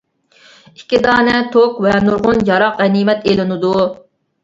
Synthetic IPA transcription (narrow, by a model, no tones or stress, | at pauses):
ikʲːid̪ɑːnɛt̪ʰokvɛnuɾʁʊnjɑɾɑqʁɛnimɛt̪elɪnɨd̪u